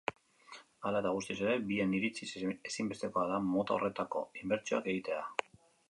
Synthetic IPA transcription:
alat̪aɣ̞ust̪ise̞ɾe̞bie̞niɾit͡sisesimbe̞st̪e̞ko̞aðamo̞t̪aore̞t̪ako̞̰imbe̞ɾt͡ʃioake̞ɣit̪e̞a

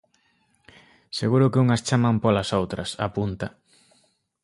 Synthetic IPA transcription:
seɣuɾʊkɪuŋɐst͡ʃamampolasowt̪ɾɐ̰sa̰punt̪a

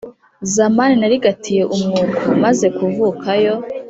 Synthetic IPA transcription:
zamaninaɾiɡatʰije̞ʔumŋuɾɡumaze̞kuvukʰajo̞

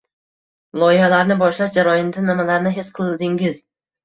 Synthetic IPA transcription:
lˠɒjɪhalaɾnɪbɒʃlaʃd͡ʒaɾɒjɪnd̪anɪmalaɾnɪɦesqʰɨlˠɪnd̪ɪŋɪz

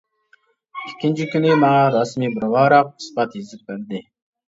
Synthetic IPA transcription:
ikʲʰːint͡ʃʰikʲynimɑɑɾɑsmiːbɨɾwɑːɾɑq̚ɨ̥spɑt̪jezɪp̚bæɾd̪ɪ

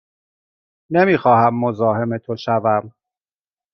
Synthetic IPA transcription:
ne̞miːxɒːhæmːo̞zɒːɦe̞me̞t̪ʰoʃævæm

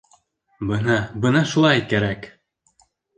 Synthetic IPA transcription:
bɤnɑbɤnɑʃulˠɑjkæɾæk

